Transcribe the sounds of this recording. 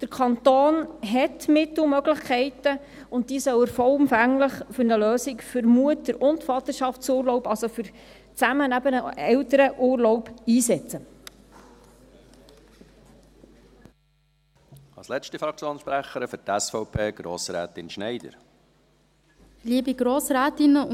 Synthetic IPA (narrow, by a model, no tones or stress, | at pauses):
d̥əɾkʰɑnt̪oːnɦɛtmɪtl̩mœɡləχkʰɛɪtə | ʊnt̚d̥iːsœwəɾfɔlʊmfæŋləχfʏɾnəløːsikfʏɾmuətəɾʊntfɑt̪əɾʃɑft͡suːrlɔʊpɑlsofʏɾ | t͡sæmənæbənəʔɛwtəɾəʔuːrlɔʊpiːsɛt͡sə | ɑlslɛt͡ʃtifɾɑk̚t͡sjoːnʃpɾæχəɾəfʏɾtæsfɔʊpʰeːɡ̥ɾo̰ːsɾæ̰ːtɪnʃnɛɪd̪ə̰ɾ | liəbiɡ̥ɾoːsɾæːt̪ɪnə